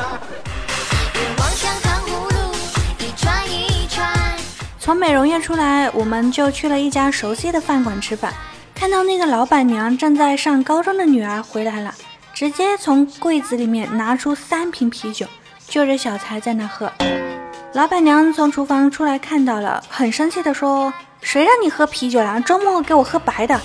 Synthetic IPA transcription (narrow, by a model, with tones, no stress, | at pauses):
wɑ˧˥ŋɕjɑ˥ŋtɑ˧˥ŋu˧˥lu˥˩i˧˩ʈ͡ʂʰwa˥ni˧˥˨ʈ͡ʂʰwa˥t͡sʰʊ˧˥ŋme˨˩ɪɻʊ˧˥ŋɥɛ˥˧ʈ͡ʂʰu˥la˧˥ɪwʔɔ˨˩mə˦nt͡ɕjo˥˧ʊt͡ɕʰy˥˩lə˩i˥˩t͡ɕja˥ʂo˧˥ʊɕi˥˩d̪ə˨fa˥˩nkwa˨˩nʈ͡ʂʰɻ̩˥fa̰˨˩˦n | kʰa˥˧nt̪ɑ˥˧ʊna˥˩ɡə˩lɑ˧˥ʊpa˨˩nnjɑ˧˥ŋʈ͡ʂɤ˥˧ŋt͡sa˥˧ɪʂɑ˥˩ŋkɑ˥ʊʈ͡ʂʊ˥ŋd̪ə˨ny˨˩ə˞˧˥xwe˧˥ɪla˧˥ɪlə̰˧ | ʈ͡ʂɻ̩˧˥t͡ɕjɛ˥t͡sʰʊ˧˥ŋkwe˥˩ɪd͡zɹ̩˧˥li˨˩mjɛ˥˩nna˧˥ʈ͡ʂʰu˥sa˥npʰi˧˥npʰi˧˥t͡ɕjo˨˩ʊ | t͡ɕjo˥˧ʊʈ͡ʂɻ̩˥˩ɕjɑ˨˩ʊt͡sʰa˧˥ɪt͡sa˥˧ɪna˥˩xɤ˧˥ | lɑ˧˥ʊpa˨˩nnjɑ˧˥ŋt͡sʰʊ˧˥ŋʈ͡ʂʰu˧˥fɑ˧˥ŋʈ͡ʂʰu˥la˧˥ɪkʰa˥˧nt̪ɑ˥˩ʊlə̰˩xə˨˩nʂə˥ŋt͡ɕʰi˥˩d̪ə˩ʂwɔ˥ | ʂwe˧˥ɻɑ˥˩ŋni˨˩xɤ˥pʰi˧˥t͡ɕjo˨˩ʊla˧˥ʈ͡ʂʊ˥mwɔ˥˩ke˧˥ɪwɔ˨˩xɤ˥pa˧˥ɪd̪ə˧